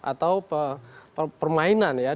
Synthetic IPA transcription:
ʔa̰t̪awpəpəpərmainanja

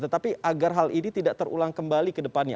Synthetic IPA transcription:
t̪ət̪apiʔaɡarɦalʔinit̪idaʔ̚t̪əɾṵlaŋkəmbalikədəpanɲa̰

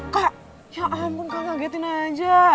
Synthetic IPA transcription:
ka | jaʔampuŋkakaɡɛt̪inad͡ʒa

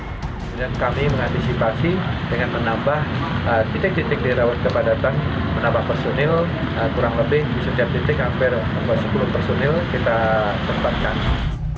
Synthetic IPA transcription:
udankamiməŋant̪isipasidəŋanmənambahət̪itɪk̚d̪it̪ɪk̚diɾawat̪̚kəpadat̪anmənambahpərsonɪl | əkuɾaŋləbɪhbisət̪iap̚d̪it̪ɪkjaŋfɛrapasəpulʊhpərsonɪlkit̪a | səmpat̪̚kan

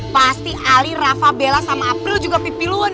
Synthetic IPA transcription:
past̪iʔalirafabelasamaːpɾɪld͡ʒuɡapipiluan

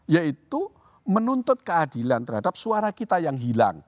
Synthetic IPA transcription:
jait̪u | mənunt̪ʊt̪̚kəadilant̪ərɦadap̚suaɾakit̪ajaŋɦila̰ŋ

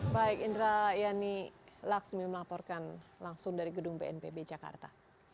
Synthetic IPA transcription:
baɛkindɾajanilaksmiməlapɔrkanlaŋsʊŋdaɾiɡədʊŋbeɛnpebed͡ʒaka̰rt̪a

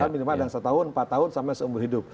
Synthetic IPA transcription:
aminimadansət̪aʊnmpat̪ːaɦʊnsampasəumbuɦidʊp̚

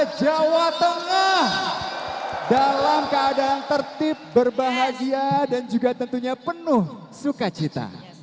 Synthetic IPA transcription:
d͡ʒawat̪əŋah | dalamkəːdaːnt̪ərt̪ɪp̚bərbaɦad͡ʒiadand͡ʒuɡat̪ənt̪uɲapənʊh | sukat͡ʃit̪a̰

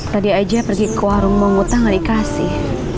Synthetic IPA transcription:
t̪adiad͡ʒapərɡikəwaɾʊŋməŋut̪aŋalikasɪh

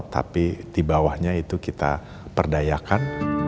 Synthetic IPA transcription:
t̪a̰pid̪̥ibawahɲait̪ukit̪a̰ | pərdajakan

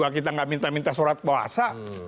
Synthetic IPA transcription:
akit̪aŋɡaʔmint̪amint̪asoɾat̪̚baɦa̰sa

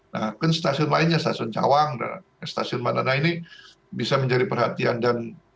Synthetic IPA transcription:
nakanst̪asiʊnlaɪnɲast̪asiʊnd͡ʒa̰waŋda̰ | ast̪asiʊnmananaini | bisaməɲd͡ʒadipərɦat̪iandan

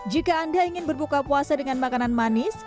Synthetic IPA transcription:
d͡ʒikaːndaiŋɪnbərbukapuasadəŋanmakananmanɪs

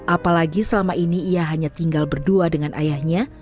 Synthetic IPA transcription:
ʔapalaɡisəlamaʔiniːaɦaɲat̪iŋɡalbərduadəŋanʔa̰jahɲa

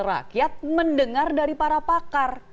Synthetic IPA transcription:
əra̰kiat̪̚məndəŋardaɾipaɾapakar

